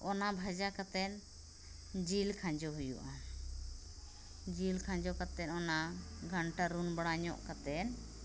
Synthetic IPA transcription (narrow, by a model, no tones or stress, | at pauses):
ɔnabʱad͡ʒakat̪ɛn | d͡ʒilkʰãɲd͡ʒɔɦujṵʔa | d͡ʒilkʰãɲd͡ʒɔkat̪ɛnɔnaɡʱaɳʈaɾunbaɽaɲɔʔkat̪ɛn